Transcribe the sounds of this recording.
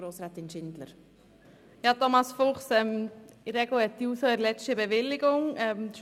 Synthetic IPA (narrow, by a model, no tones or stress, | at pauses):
ɾoːsɾaːt̪ɪnʃɪnd̪lə̰ɾ | jɑt̪ɔmɑsfʊχsɛmɪɾɛɡləɛtːiusoəɾlɛt͡ʃtəbɛʋɪlːɪɡʊŋɛmʃ